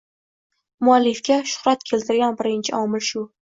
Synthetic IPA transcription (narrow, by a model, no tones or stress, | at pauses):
mʊalːɪfkʲaʃʊ̥χɾat̪kʲʰe̞lt̪ʰɪɾɡʲanbɪɾɪnt͡ʃʰɪʔɒmɪlʃʊ